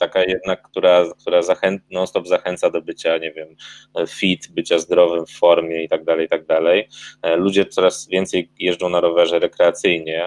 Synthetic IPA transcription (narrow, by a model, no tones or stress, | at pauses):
t̪akajɛd̪nakːt̪uɾakt̪uɾazaxɛnnɔst̪ɔbzaxɛnt̪sad̪ɔbɘt͡ɕaɲɛvʲjɛmfʲit̪bɘt͡ɕazd̪ɾɔvɘmfːɔɾmʲjɛit̪aɡ̚d̪alɛjt̪aɡ̚d̪alɛjlud͡ʑɛt̪sɔɾasvʲjɛnt̪sɛjjɛʐd͡ʐɔ̃w̃naɾɔvɛʐɛɾɛkɾɛat̪sɘjɲɛ